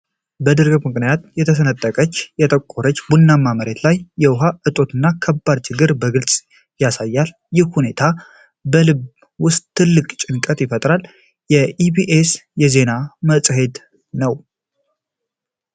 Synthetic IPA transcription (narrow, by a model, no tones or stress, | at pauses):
bəd̪ɨɾɡɨbmɨknijat̪jɛt̪ʰəsənət̪ʼːəkʼət͡ʃːjɛt̪ʰʼəkʼːoɾət͡ʃːbunːamːaməɾe̞t̪lajːɛwʊɦaʔɨt̪ʼo̞t̪ʰɨnːakʰəbːad̪t͡ʃɪɡɨɾbəɡɨlsʼ | jasajːal | jɪhhune̞t̪ʰa | bəlɨβ | wʊst̪ʼt̪ʰːɨlːɨkʼt͡ʃʼɪŋkʼət̪ʼjɪfət̪ʼɾal | jɛibiʔesjɛze̞naməsʼɦe̞d̪ | nəw